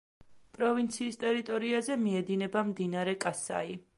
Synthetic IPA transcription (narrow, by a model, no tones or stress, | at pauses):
pʼɾɔvint̪sʰiːst̪ʼɛɾit̪ʼɔɾiazɛmiɛd̪inɛbamd̪inaɾɛkʼasa̰i